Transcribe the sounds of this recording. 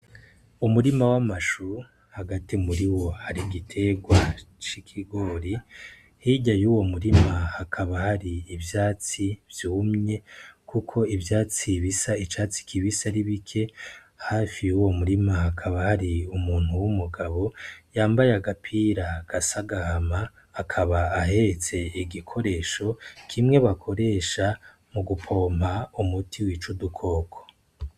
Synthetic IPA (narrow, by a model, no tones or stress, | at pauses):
umuɾimawamaʃu | haɡatimuɾiwo̞haɾiɡitʰe̞ɡwat͡ʃikʰiɡo̞ːɾi | hiːɟajuːwo̞muɾimahakʰaβahaɾiːvjaːt͡sivjuːmɲe̞kʰukʰo̞ivjaːt͡siβisait͡ʃaːt͡si̥kʰiβisaɾiβikʰe̞ | haːfiuwo̞muɾimaakʰaβahaɾiumuːn̥huwumuɡaβo̞jaːmbajeaɡapʰiːɾaɡ̥asaɡahamaː | kʰaβaaɦe̞et͡se̞iɡikʰo̞ɾe̞ːʃo̞kʰimŋe̞βakʰo̞ɾe̞ːʃa | muɡupʰo̞ːm̥aumutʰiwit͡ʃudukʰo̞ːkʰo̥